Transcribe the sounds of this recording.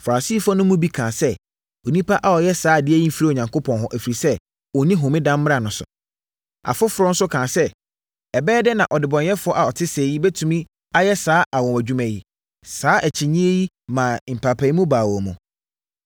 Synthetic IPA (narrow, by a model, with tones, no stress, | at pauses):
fa˨ɾa˨si˦fa˦nʊ̃˦mũ˦bi˦kʰãː˨sɛ˦ | o˨nĩ˦pʰa˦ʔa˨ɔ˨jɛ˦saː˨˦˨dɪ˦æ˦i˦m̩˦fi˦ɾi˦˨o˨ɲã˨ŋkʰo˦pʰɔ̃˨nɦɔ̃˦ʔæ˨fi˨ɾi˨sɛ˦ | ɔ˨nĩ˦ɦʊ̃˨mɪ̃˦dã˦mː˦ɾa˨nʊ̃˨sʊ̰˨ | a̰˨fʊ˦fʊ˨ɾɔ˦n̩˦sʊ˦kʰãː˨sɛ˦ | ɛ˨bɛː˦dɛ˦nã˨ʔɔ˨dɪ˨bɔ̃˨njɛ˦fʊ˦ɔ˦ʔa˨ɔ˨tʰɪ˦seː˨ji˦bɛ˦tʰũ˨mĩ˦ | a˦jɛ˦saː˨˦ʔa˨wɔ̃˨m˨æ˨d͡ʑᶣu˦mæ̃˨ji˦ | saː˦ʔæ˨t͡ɕʰɪ˨ɲĩ˦e˦ji˦ | mã˨m̩˨pʰa˨pʰa˨i˦mũ˦baː˨wɔ˨mʊ̃˨